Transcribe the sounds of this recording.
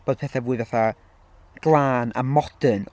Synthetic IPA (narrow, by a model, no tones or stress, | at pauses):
b̥oːd̪̚pʰɛθavuːɨðvaθa | ɡ̥lˠaːna̰mɔd̥ən